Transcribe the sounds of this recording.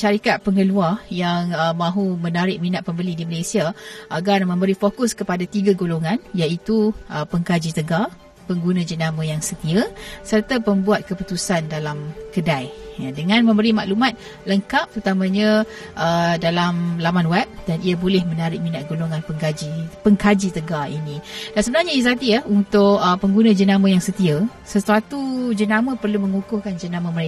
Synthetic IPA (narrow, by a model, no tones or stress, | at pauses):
ʃaɾikat̪̚pəŋəluarjaŋəmãɦumənaɾɪk̚minatʔ̪̚pəmbəlidiməlesiaʔaɡarmə̃mbəɾifokʊskəpadat̪iɡaɡoloŋãnjait̪uʔəpəŋɡad͡ʒit̪əɡa | pəŋɡunãd͡ʒənamə̃jaŋsət̪iəsərt̪apəmbuat̪̚kəput̪usandalamkədajjadəŋãnmə̃mbəɾimaʔlumat̪̚ | ləŋkap̚t̪əɾut̪amãɲã | ʔədalamlamãnwɛp̚daniabolɛhmənaɾɪk̚minat̪̚ɡoloŋãnpəŋɡad͡ʒipəŋkad͡ʒit̪əɡaḭnid̥ansəbənarɲaizat̪iaunt̪ʊʔəpəŋɡunãd͡ʒənamə̃jaŋsət̪iəsəsuat̪ud͡ʒənamə̃pərlumə̃ŋukʊhkand͡ʒənamə̃məɾe